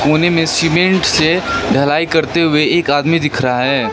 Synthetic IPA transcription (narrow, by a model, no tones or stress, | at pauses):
koːnemẽsɪmẽɳʈseɖʱɐlaːikɐɾt̪eɦʊeeːkaːd̪mid̪ɪkʰɾɐɦaɦɛː